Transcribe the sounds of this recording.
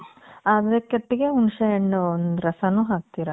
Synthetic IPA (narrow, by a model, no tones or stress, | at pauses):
aːd̪ɾɐkɐʈːiɡeunʂɐjɐɳːɐond̪uɾɐsɐnuːɦaːk̚t̪iːɾɐ